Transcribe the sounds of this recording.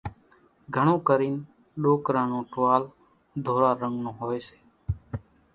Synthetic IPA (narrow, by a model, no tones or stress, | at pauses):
ɡʱəɳ̃õːkəɾiːn | ɗoːkɾãːnõːʈʋaːl | d̪ʱoːɾaːɾəŋɡnõːɦoːeːse̥ː